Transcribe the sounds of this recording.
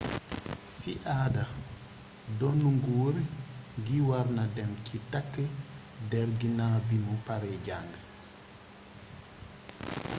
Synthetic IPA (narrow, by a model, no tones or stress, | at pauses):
siʔaːda | dɔnːuŋɡuːɾɡiwaɾnadɛmcitakːə | dɛɾɡinaːbimupaɾɛɟaŋɡə